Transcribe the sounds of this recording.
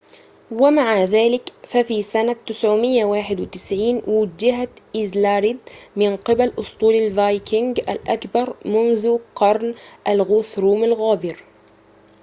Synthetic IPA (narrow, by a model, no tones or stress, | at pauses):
wamaʕaðaːlɪkfafisanat̪ɪsʕʊmɪjːawaːħɪd̪wɪt̪ɪsʕiːnwʊd͡ʒɪɦaʔɪzlaːɾɪd̪mɪnqɪbalʔʊst̪ˤuːlalvajkɪŋɡa̰lʔa̰kbɑɾˤmʊnðʊqɑɾˤnʔalɣʊθɾuːmalɣaːbɪɾ